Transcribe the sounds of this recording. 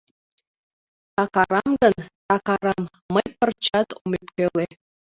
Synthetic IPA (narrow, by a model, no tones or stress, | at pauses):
t̪ɑkɑɾɑmɡɤ̆nt̪ɑkɑɾɑmːəjpə̆rt͡ɕɑt̪omepkøle